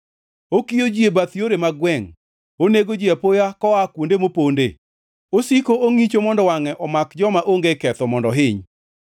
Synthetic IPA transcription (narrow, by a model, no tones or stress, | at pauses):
okijod͡ʒiebat̪joɾemaɡwɛŋ | oneɡod͡ʒiapojakɔakwondemopondḛ | osikooŋit͡ʃomɔndɔwaŋɛʔɔmakd͡ʒɔmaʔoŋɡekɛt̪ɔmɔndɔɦɪɲ